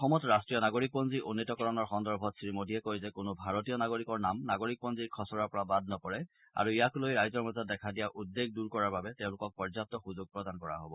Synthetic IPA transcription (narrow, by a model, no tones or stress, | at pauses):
ɔxɔmɔtɹastɹijɔnaɡoɹik̚pɔnziʔunːitɔkɔɹɔnɔɹxɔndɔɹbʱɔtsɹimodʱiɛkojzɛkʊnʊbʱaɹotijɔnaɡoɹikɔɹnamnaɡoɹik̚pɔnziɹkʰɔsɔɹapɔɹabad̚nɔkɔɹɛ | a̰ɹuijakulojɹajzɔɹmɔzɔt̚dɛkʰadijaʔudːeɡ̚duɹkɔɹaɹbabɛtɛʊ̃lʊkɔk̚pɔɹzatɔxuzʊɡ̚pɹɔdankɔɹa̰ɦobɔ